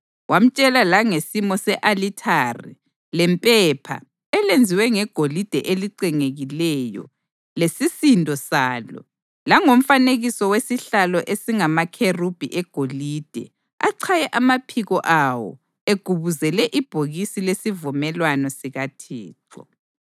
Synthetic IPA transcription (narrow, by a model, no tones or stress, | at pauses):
wam̩t͡ʃʼɛlalaŋesimɔsɛʔalitʰarḭ | lɛmpʼɛpʰa̰ | ɛlend͡zʱiwɛŋɛɡ̥ʱolid̥ʱɛʔeliǀiŋeɣilɛjɔ̰ | lesisindʱɔsaːlɔ̰ | laŋom̩faneɣisɔwesiɬalɔʔesiŋamakʰerub̥ʱiʔɛɡ̥ʱolid̥ʱɛ̰ | aǀʰajɛʔamapʰiɣɔʔawɔ̰ | eɡ̥ʱuβuzɛlɛʔib̥ʱoɣisilesivumɛlwanɔsiɣatʰɛ̰ːǁʰɔ̰